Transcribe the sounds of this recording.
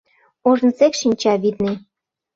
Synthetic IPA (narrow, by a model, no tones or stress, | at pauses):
oʒə̆nsekʃinʲt͡ɕɑβid̪ni